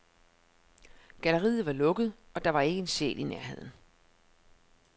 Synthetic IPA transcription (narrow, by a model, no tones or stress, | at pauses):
ɡ̥æləʁḭːð̞̩ˠʋɑ̈lɔ̽ɡ̥əð̞̩ˠ | ɒ̽d̥ɑ̈ʋɑ̈e̝ɡ̥əe̝nsḛːlineɐɦe̝ð̞̰ˠn̩